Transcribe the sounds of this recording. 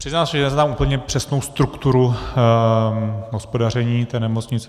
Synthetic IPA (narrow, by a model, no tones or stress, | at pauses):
pr̥ɪznaːlsɛʒɛɛzɛt̪amʔupl̩ɲɛpr̝̥ɛsno̞wst̪ɾukt̪uɾu | ɦospo̞dar̝ɛɲiːt̪ɛːnɛmot͡sɲɪt͡sɛ